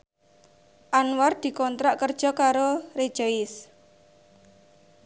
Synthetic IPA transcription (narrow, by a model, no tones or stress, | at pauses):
ʔanward̪̥i̤kɔnt̪ɾaʔkərd̥ʒ̥ɔ̤kaɾored̥ʒ̥ɔɪs